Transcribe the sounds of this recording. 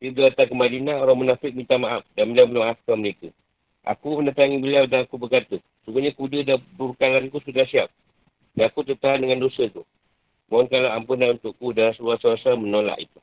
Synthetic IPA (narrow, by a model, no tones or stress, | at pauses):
diɡəat̪akəmadinãoɾaŋmənafɪk̚mit̪amaʔaf̚danbəliawmənaaʔafkaməɾekə | ʔa̰kumənət̪aŋibəliawdanakubərkat̪ə | suɡuɲakudədabuɾkalankusudahsiap̚ | daakut̪ət̪aɦandəŋandosət̪u | maɔnkalaampunanunt̪ʊʔkudalasəbuasawasamənola̰ʔḭt̪u̥